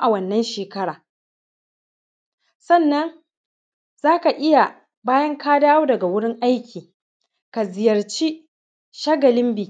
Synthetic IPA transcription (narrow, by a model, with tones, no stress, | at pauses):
ʔa˨wɐ˦˨nːɐ˦nʃeː˨kɐ˦ɽaː˨ | sɐ˦˨nːɐ˦ŋ | z̥aː˦ka˨ʔɪ˦ja˨ | baː˦jɐ˦ŋkaː˦daː˦woː˦dɐ˨ɡa˨wʊ˦ɽɪ˦ŋʔa˦jkʲiː˨ | ka˨zɪ˨jɐ˨rt͡ʃi˦ | ʃa˦ɡɐ˨lɪ˦mbiː˨